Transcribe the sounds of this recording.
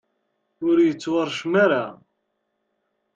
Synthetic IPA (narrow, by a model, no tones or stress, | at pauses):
ʊɾjət͡sːwɑɾˤʃmaɾa